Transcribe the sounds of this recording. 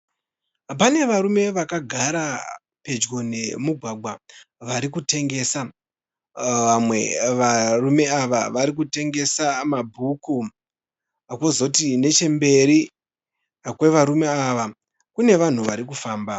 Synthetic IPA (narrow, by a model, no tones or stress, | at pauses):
p̬ane̞ʋaɾume̞ʋakaɡʱaɾa | pe̞d͡ʒɡo̞ne̞muɡʱwaɡʱwaʋaɾikute̞ŋɡe̞ːsa | amwe̞̰ʋarume̞aʋa̰ʋaɾik̬ute̞ŋɡe̞samabʱuku | akozotine̞t͡ʃe̞mbe̞ɾi | kwe̞ʋaɾume̞aʋa | kune̞ʋan̤uʋaɾikufaːmba